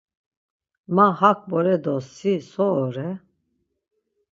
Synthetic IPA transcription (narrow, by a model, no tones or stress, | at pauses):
mahak̚ʰʼbɔɾɛd̪ɔsisɔːɾɛ